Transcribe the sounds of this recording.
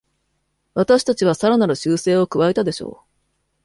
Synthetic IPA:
βat̪aɕi̥t̪at͡ɕiβ̞asaɾanaɾɯ̟ɕɨːse̞ːo̞kɯ̟βae̞t̪ad̪e̞ɕo̞̰ː

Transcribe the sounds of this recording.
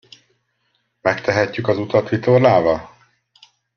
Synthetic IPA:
mɛkt̪ʰɛɦɛcːykɒzut̪ɒt̪ʋit̪orlaːvɒ

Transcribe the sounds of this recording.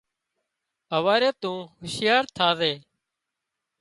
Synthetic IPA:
əʋaːɾeːt̪ũːɦʊʃɪjaːɾt̪ʰaːzeː

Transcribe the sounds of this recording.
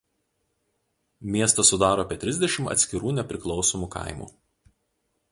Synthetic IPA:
mʲiɛst̪ɐsʊd̪ɑːɾoːɐpʲiɛt̪ʲɾʲɪzʲd̪ʲɛʃʲɪmɐ̰t̪sʲkʲɪɾuːnʲɛpʲɾʲɪklˠɒʊsomuːkɑ̰ˑɪmṵː

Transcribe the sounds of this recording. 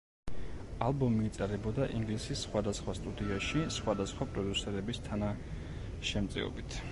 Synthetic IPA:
alˠbɔmiːt̪sʼɛɾɛbɔd̪aʔiŋɡlisisːχwad̪asχwast̪ʼud̪iaʃisχwad̪asχwapʼɾɔd̪usɛɾɛbist̪ʰana | ʃɛmt̪sʼḭɔ̰bit̪ʰ

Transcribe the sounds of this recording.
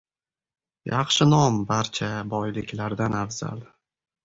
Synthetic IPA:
jɑχʃɪnɒmbaɾt͡ʃʰabɒjlɪkʲʰlaɾd̪anafz̥a̰l

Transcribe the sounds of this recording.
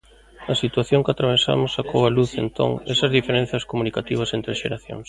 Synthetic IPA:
ɐsit̪waθjoŋkat̪ɾaβ̞esa̰mʊsakʰowaluθent̪o̰ŋesɐzðifeɾẽn̟θjɐskomunikat̪iβ̞ɐsent̪ɾeʃḛɾaθjo̰ŋs

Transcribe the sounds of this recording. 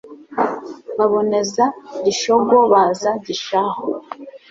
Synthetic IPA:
βaβo̞ne̞zaɟiʃoɡoβaːzaɟiʃaho

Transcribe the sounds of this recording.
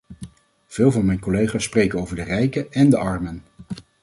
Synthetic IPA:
v̥ɪːlˠvɑnmɛjnkolejχaːsːprejkənowvəɹdərɛjkəʔɛndəʔɑɹmən

